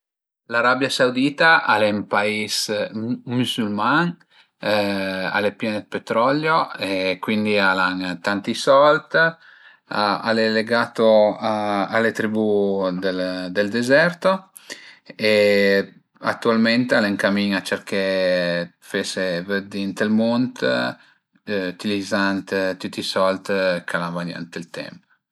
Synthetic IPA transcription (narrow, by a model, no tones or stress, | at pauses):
laɾabjasawd̪iːt̪aʔalempais | musulmaŋ | a̰lepjɛned̪pet̪ɾɔljoekwind̪ialaŋt̪ant̪isɔlt̪ | a̰leleɡaːt̪oaalet̪ɾibud̪eld̪eld̪ezɛrt̪o | e | a̰t̪ːualment̪aleŋkamiŋat͡ʃerke | fesevəd̪int̪elmont̪ | yt̪ilid̪zant̪t̪ut̪ːisɔlt̪kʰalanvana̰nt̪elt̪ɛ̰mp